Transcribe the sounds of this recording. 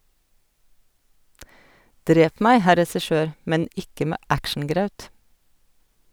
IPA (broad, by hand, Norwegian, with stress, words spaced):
ˈdɾeːp ˈmæɪ ˈhæ ɾɛsɪˈʃøːɾ ˈmɛn ˈɪkə ˈmeː ˈækʃn̩ˌɡɾɑʉt